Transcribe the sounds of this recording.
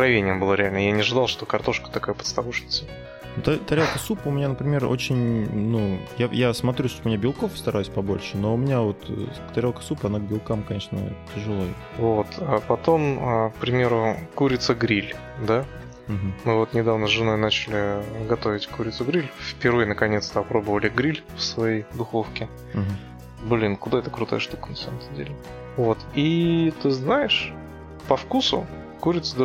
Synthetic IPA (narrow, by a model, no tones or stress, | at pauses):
kɾɐvʲenʲɪjəmbɨlˠaɾʲɪalʲnəjanʲɪʐɨd̪alˠʂt̪o̞kɐrt̪o̞ʂkə̥t̪ɐkajəpə̥t̪st̪ɐvuʂnʲɪt̪sə | t̪at̪ɐɾʲolˠkəsupəʊmʲɪnʲanəpɾʲɪmʲe̞ro̞̰t͡ɕɪnʲnujajasmɐt̪ɾʲusʂt̪oʊmʲɪnʲabʲɪlˠko̞fst̪ɐɾajʉsʲpɐbo̞̰lʲʂɨno̞ʊmʲɪnʲavo̞t̪ | t̪ɐɾʲolˠkə̥supɐnaɡ̚bʲɪlˠkamkɐnʲeʂnə̰tʲɪʐɨlˠojɪ | vot̪apɐt̪o̞mək̚pɾʲɪmʲe̞ɾʊkuɾʲɪt̪səɡɾʲilʲ | d̪a | ɦ̩mɨvo̞t̪nʲɪd̪avnəzʐɨno̞jnat͡ɕɪlʲɪɡɐt̪o̞vʲɪtʲkuɾʲɪt̪sʊɡɾʲilʲfpʲɪɾvɨjnəkɐnʲe̞t̪st̪əɐpɾo̞bəvəlʲɪɡɾʲilʲfsvɐjejd̪ʊxo̞fkʲɪ | ɦ | blʲinkʊd̪aɛt̪əkɾʊt̪a̰jəʂt̪ukənɐsaməmt̪ədʲḛlʲɪ | vo̞t̪it̪ɨznajɪʂ | pɐfkusʊ | kuɾʲɪt̪səd̪